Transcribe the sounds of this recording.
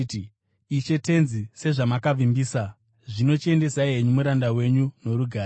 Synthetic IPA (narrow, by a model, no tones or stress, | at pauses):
it͡ʃe̞te̞nzise̞ʐamakavimbiːsa | ʐino̞t͡ʃe̞nde̞saiɦeɲumuɾandawe̞ɲuno̞ɾuɡʱaː